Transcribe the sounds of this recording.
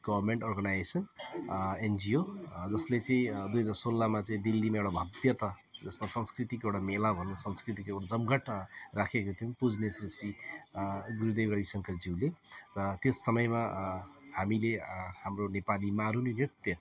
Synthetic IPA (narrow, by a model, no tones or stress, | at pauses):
ɡ̥ʌbʱʌrmeɳʈʌrɡanajsʌn | end͡ziod͡zʌslet͡sʌĩd̪ujɦʌd͡zarsolːamat͡sʌĩd̪ilːimaewɽabʱʌd̪jʌt̪a | d͡zʌsmasʌnskrit̪ikewɽamelabʱʌnsʌnskrit̪̬ikewɽad͡zʌmɡʌʈrakʰekot̪ʰiũpud͡znesrisi | ɡuɾud̪ebɾʌbisʌŋkʌd͡ziwlerʌt̪esːʌmʌjma | hamilehamronepalimaɾunirit̪jʌ